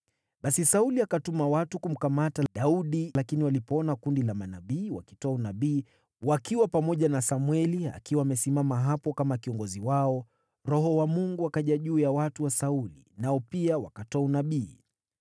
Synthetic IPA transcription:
ɓasisauliakatumawatukum̩kamataɗauɗilakiniwalipɔɔnakundilamanaɓiːwa̰ki̥tɔaunaɓiː | wakiwapamɔʄanasamwɛlia̰kiwaːmɛsimamaɦapɔkamakiɔŋɡɔziwaɔ | ɾɔɦɔwamuŋɡuakaʄaʄuːjawatuwasaulḭnaɔpiawakatɔaunaɓiː

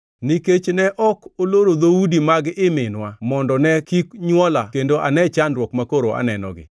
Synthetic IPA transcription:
niket͡ʃnɛʔɔkoloɾod̪oudimaɡɪmɪnwamɔndɔnɛkikɲwɔlakendoʔanɛt͡ʃandɾwɔkmakoɾoʔa̰nɛnɔ̰ɡɪ̰

